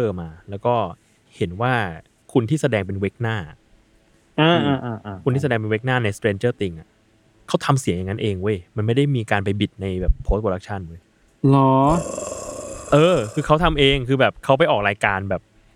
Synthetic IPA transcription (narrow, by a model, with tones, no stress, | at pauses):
t̪ɤː˥˩maː˧lɛː˦˥wkɔː˥˩ | he˨˩˦nwaː˥˩ | kʰu˧nt̪ʰiː˥˩sa˧dɛː˧ŋp̬e˧nwe˦˥k̚naː˥˩a̰˩ʔ | ʔɤː˧ʔaː˧ʔaː˧˩ʔːʰu˧nt̪ʰiː˥˩sa˧dɛː˧ŋpe˧we˦˥k̚naː˥˩na˧jst̪ɾeː˧nt͡ɕɤː˥˩t̪i˧ŋʔa˨˩ | kʰa˦˥wt̪ʰa˧msi˨˩˦ŋja˨˩ŋːa˦˥nʔeː˧ŋwu˦˥˩jma˧nma˥˩jda˥˩jmiː˧kaː˧npa˧jbi˨˩t̪̚na˧jbɛː˨˩pʰːo˦˥t̪̚poː˧ɾa˦k̚t͡ɕʰa˥˩nwo˦˥˩j | lɔ˦ | ʔɤː˧kʰɯː˧kʰa˦˥wt̪ʰa˧mʔeː˧ŋkʰɯː˧bɛː˨˩p̚kʰa˦˥wp̬a˨˩jʔɔː˨˩k̚ɾaː˧jkaː˧nbɛː˨˩p̚